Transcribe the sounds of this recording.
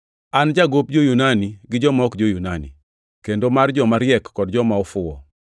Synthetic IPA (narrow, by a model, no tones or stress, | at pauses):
and͡ʒaɡop̚d͡ʒojunaniɡɪd͡ʒɔmɔkd͡ʒojunanḭ | kendomard͡ʒɔmaɾjɛkːɔdd͡ʒɔmaɔfʊɔ̰